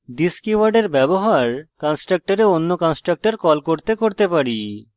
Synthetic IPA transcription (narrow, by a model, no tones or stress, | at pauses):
diskiwaɾɖeɾbɛboɦaɾkɔnsʈɾak̚ʈaɾeonːokɔnsʈɾak̚ʈaɾkɔlkoɾt̪ekoɾt̪epaɾi